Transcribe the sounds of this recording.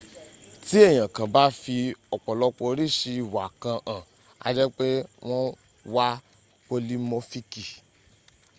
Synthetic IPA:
ti˦e˦˨j̃ã˨kã˨ba˨˦fi˧ɔ˨k͡pɔ˨lɔ˧˦k͡po˧ɾi˦˨ʃi˧˨wa˨kã˧ʔã˨ | a̰˧d͡ʒɛ˦k͡pe˦w̃ɔ̃˦ | wa˦ | k͡po˧li˦mo˧˦fi˧ki˨

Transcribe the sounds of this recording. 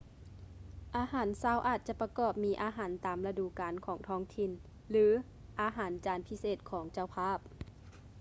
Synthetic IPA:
ʔaː˧ɦaː˨˩˦nsaː˧˥˩wʔaː˨˩t̪̚t͡ɕa˧˩pa˧kɔː˧˩p̚miː˧˥ʔaː˨˧˦ɦaː˩˦nt̪aː˨˩mla˧duː˧˩kaː˨nkʰɔː˩˦ŋt̪ʰɔː˧˥ŋt̪ʰi˧˩n | lɯː˨˦ | ʔaː˧˦ɦaː˨˩˦nt͡ɕaː˨˦npʰi˧˥seː˨˩t̪̚kʰɔː˩˦ŋt͡ɕa˧˩wpʰaː˧˥˩p̚

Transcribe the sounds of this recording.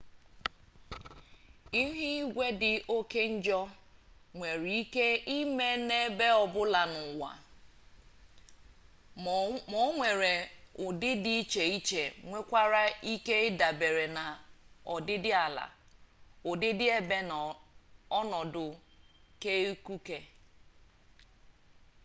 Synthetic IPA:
i˦ɦɪ˦ɡʷe˦dɪ˨ʔo˦ke˦n̩˦d͡ʒɔ˦ŋʷe˨ɾi˦ke˦i˦me˦ne˦be˦ɔ˨bʊ˦la˨nʊ˨wa̰˨ | mo˦ŋʷe˨ɾe˨ʊ˨dɪ˦di˦t͡ʃe˨i˦t͡ʃe˨ŋʷe˦kʷa˦ɾa˦i˦ke˦da˨be˨ɾe˨na˨ɔ˨dɪ˦dɪ˦a˨la̰˨ | ʊ˨dɪ˦dɪ˦e˦be˦n˨ɔ˦nɔ˨dʊ˨ke˦u˦ku˦ke˦

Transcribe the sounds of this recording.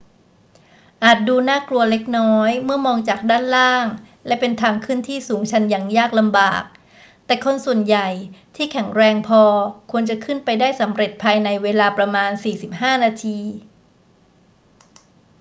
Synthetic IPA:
ʔaː˨˩t̪̚duː˧naː˥˩klu˧ɐle˦˥k̚nɔː˦˥jmɯ˥˩ɐmɔː˧ŋt͡ɕaː˨˩k̚daː˥˩nlaː˥˩ŋ | lɛ˦˥pe˧nt̪ʰaː˧ŋkʰɯː˥˩ənt̪ʰiː˥˩suː˩˦ŋt͡ɕʰa˦˥njaː˨˩ŋjaː˥˩k̚la˧mba̰ː˨˩k̚ | t̪ɛː˨˩kʰo˧nsu˨˩ənja˨˩jt̪ʰiː˥˩kʰɛ˩˦ŋɾɛː˧ŋpʰɔː˧kʰu˧ənt͡ɕa˨˩kʰɯ˥˩npa˧jdaː˥˩jsa˩˦mɾe˨˩t̪̚pʰaː˧jna˧jweː˧laː˧pɾa˧maː˧nsiː˨˩si˨˩p̚haː˥˩naː˧t̪ʰiː˧

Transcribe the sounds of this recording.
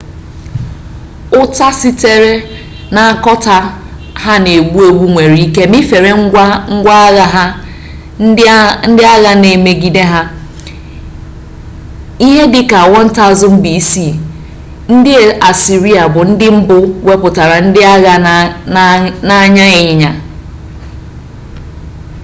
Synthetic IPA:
ʊ˦ta˦si˦te˦ɾe˦ | na˨a˨kɔ˦ta˨ | ha˦ne˨ɡ͡bu˦o˨ɡʷu˦ŋʷe˨ɾi˦ke˦mɪ˦fe˨ɾe˦ŋ̩˦ɡʷa˦a˦ɣa˦˨ɦa˦ | n̩˦n̩˦dɪ˦a˦ɣa˦ne˨me˨ɡi˨de˦ɦa˦ | i˦ɦe˦dɪ˦ka˨a˨wɔ˦n̩˦ta˦˨zʊ˦m̩˦bi˨˦si˦˨ | n̩˦dɪ˦e˨a˨si˨ɾi˦a˨bʊ˨n̩˦dɪ˦m̩˦bʊ˦we˦pʊ˨ta˨ɾa˨n̩˦dɪ˦a˦ɣa˦ | na˦ɲa˦e˨ɲɪ˨ɲa˨

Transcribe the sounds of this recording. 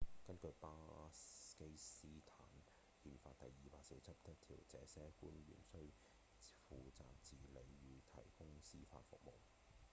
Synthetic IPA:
kɐ˥nkɵ˧ɥpaː˥ | ke˥jsiː˥t̪ʰaː˨˥n | hiː˧nfaː˧t̚t̪ɐ˨jːiː˨paː˧k̚se˨˧jt͡sʰɐ˥p̚t͡sʰɐ˥t̚t̪ʰḭː˨˩wt͡sɛː˨˥sɛː˥kuː˥nɥy̰ː˨˩nsɵ˥ɥ | fuː˨t͡sa̰ː˨k̚t͡siː˨le˨˧jɥyː˨˧t̪ʰɐ˨˩jkʊ˥ŋsiː˥fa̰ː˧t̚fʊ̰˨k̚mo˨w

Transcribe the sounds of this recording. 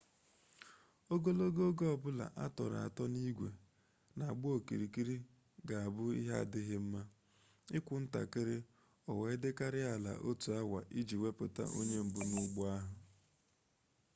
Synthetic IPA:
o˦ɡo˦lo˦ɡo˦ɡo˦ɔ˨bʊ˦la̰˨ʔa˦tɔ˨ɾa̰˨a̰˨tɔ˦ni˦ɡʷḛ˨ | na˨a˨ɡ͡bʊ˦o˨ki˨ɾi˨ki˦ɾi˦ | ɡa˨a˨bʊ˦ḭ˦ɦa̰˦˨dɪ˦ɦɪ˦m̩˦ma˦ | ɪ˦kʷʊ˨n̩˦ta̰˨kɪ˦ɾɪ˦ | ɔ˨we˨˦dɪ˦ka˦ɾɪ˦a˨la̰˨ʔo˦tu˨a˦wa̰˨ʔi˦d͡ʒi˨we˦pʊ˨ta̰˦ʔo˦ɲe˦m̩˨bʊ˦nʊ˦ɡ͡bʊ˦a˦ɦʊ˨

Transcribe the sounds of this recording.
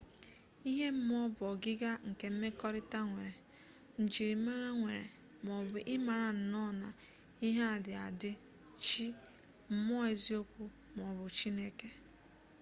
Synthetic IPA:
i˦ɦe˦m̩˦m˦ɔ˦bɔ˨ɡɪ˦ɡa˦ŋ̩˨ke˨m̩˦me˦kɔ˦ɾɪ˦ta˦ŋʷe˨ɾe˨ | n̩˨d͡ʒi˨ɾi˨m̩˦ma˦ɾa˦ŋʷe˨ɾḛ˨ | m˨ɔ˨bʊ˨ʔɪ˦ma˨ɾa˨n̩˨nɔ˦na˨ | i˦ɦa˦a˨dɪ˨a˨dɪ˦ | t͡ʃi˦ | m̩˦mɔ˦e˨zi˦o˦kʷu˦ | m˨ɔ˨bʊ˨t͡ʃi˦ne˦ke˦

